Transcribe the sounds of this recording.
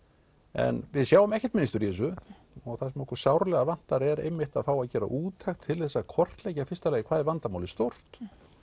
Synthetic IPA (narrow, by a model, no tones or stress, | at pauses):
ɛ̰nvɪðsjawʏmɛhcɛ̥t̪mɪnɪst̪ʏɾjɛːsʏ | ɔɣθasɛmɔhkʏɾ̥sawɾlɛɣavan̥t̪aɾɛɾḛjmːɪht̪aðfawaðcɛːɾa̰ʔuːt̪ʰajxt̪ʰːɪlθɛsːakʰɔr̥t̪lɛjcafɪst̪alɛːjɣɪkʰvaːðɪvant̪amaːwlɪst̪owr̥t̪